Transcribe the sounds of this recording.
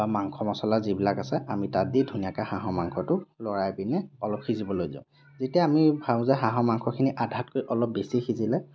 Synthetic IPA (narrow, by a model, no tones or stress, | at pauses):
bamaŋkʰɔmɔsɔlaɹzibilakasɛamitadidʱunijakaxaɦɔmaŋkʰɔtʊlɔɹajpinɛɔlɔp̚xizibɔlojzã̰ʊ̃ | zetijaamibʱãzaɦaɦɔmaŋkʰɔkʰiniʔadʱatkojʔɔlɔp̚besixizilɛ